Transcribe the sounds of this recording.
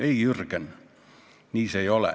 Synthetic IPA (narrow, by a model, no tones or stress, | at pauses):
eijyrkænːy | niːseiolḛ